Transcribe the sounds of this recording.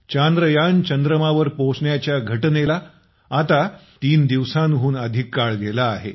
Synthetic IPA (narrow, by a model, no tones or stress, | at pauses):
t͡ɕand̪ɾəjant͡ɕənd̪ɾəmaʋəɾposɳjat͡ɕjaɡʱəʈnelaː | t̪at̪iːnd̪iʋsãnɦuːnəd̪ʱikːaɭɡelaːɦḛ